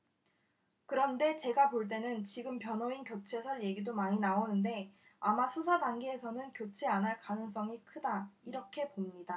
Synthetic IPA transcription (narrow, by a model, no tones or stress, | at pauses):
kɯɾʌnde̞t͡ɕe̞ɡapoɭt̬͈e̞nɯnt͡ɕiɡɯmpjʌnɦʌinkjot͡ɕʰe̞sʰʌɭje̞ɡidomaɲinaonɯnde̞ | amasʰusʰadaŋɡiesʰʌnɯnkjot͡ɕʰeanaɭkanɯŋs͈ʌŋikʰɯdaiɾʌkʰe̞pomɲida